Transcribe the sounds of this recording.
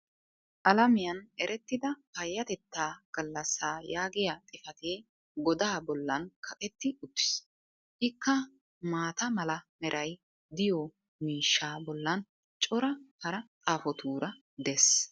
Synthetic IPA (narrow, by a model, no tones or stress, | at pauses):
ʔɐlɐmɪjɐnɛɾɛt̪ːɪd̪ɐpɐjːɐt̪ɛt̪ːaːɡ̥ɐlːɐsːaːjaːɡɪjat̪ʼɪfɐt̪eː | ɡɔd̪aːbɔlːɐnkʰɐkʼɛt̪ːɪʊt̪ːɪ̥s | ʔɪkːɐ | maːt̪ɐmɐlɐmɛɾʔɐj | d̪ɪjɔ | miːʃːaːbɔlːɐn | t͡ʃʼɔɾɐhɐɾɐt̪ʼaːfɔt̪uːɾɐ | d̪ɛs